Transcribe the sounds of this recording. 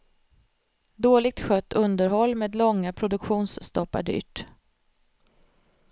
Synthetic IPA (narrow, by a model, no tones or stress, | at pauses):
d̪oːlɪɡ̚t̪ɧœt̪ːɵnd̪əɾɦɔlːmeːd̪lɔŋːapʰɾʊd̪ɵkɧuːnsːt̪ɔpːa̰ɖy̰ːʈ